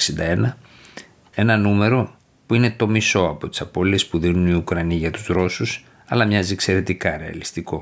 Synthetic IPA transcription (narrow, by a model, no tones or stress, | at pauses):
sind̪ɐenɐ | e̞nɐnume̞ɾo̞ | puine̞t̪o̞miso̞ɐpo̞t̪i̥sɐpo̞lie̞spuðinuniukɾɐniʝɐt̪u̥zɾo̞sus | ɐlɐmɲɐzikse̞ɾe̞t̪ikɐɾe̞ɐ̰list̪iko̞